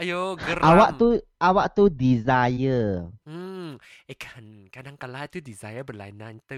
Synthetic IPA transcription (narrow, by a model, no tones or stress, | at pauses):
ajoɡəɾawaʔt̪uawaʔt̪udizajə | ekʰankadaŋkalat̪udizajəbəla̰inãnt̪ə